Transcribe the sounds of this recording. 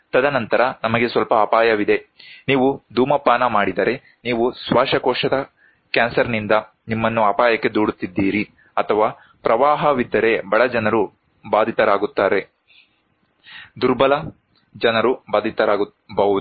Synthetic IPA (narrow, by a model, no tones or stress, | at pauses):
t̪ɐd̪ɐnɐnt̪ɐɾɐnɐmɐɡe̞sʋɐlpɐːpaːjɐʋid̪e̞niːʋud̪ʱuːmɐpːaːnɐmaːɽid̪ɐɾe̞ | niːʋusʋaːʂɐkɔːʂɐd̪ɐ | kaːnsɐɾnind̪ɐ | nimːɐnːuɐpaːjɐkːe̞d̪uːɽut̪ːid̪ːiːɾi | ɐt̪ʰɐʋaː | pɾɐʋaːɦɐʋid̪ːɐɾe̞bɐɭɐd͡ʒɐnɐɾu | baːd̪ʱit̪ɐɾaːɡut̪ːaːɾe̞ | d̪uɾbɐlɐ | d͡ʒɐnɐɾubaːd̪ʱit̪ɐɾaːu | bɐu